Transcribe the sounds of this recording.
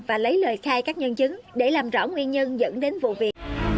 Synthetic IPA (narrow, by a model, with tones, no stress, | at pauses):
vaː˨˩lə˨˦jləː˨˩jxaː˧jkaː˦˥k̚ɲwə˧nt͡ɕɨ˨˦ŋɗe˧˩laː˨˩mzɔ̰˧˥˩ŋwi˧ənɲə˧nzə̰˧˥nɗe˨˦nvṵ˧˨vi˨˩ək̚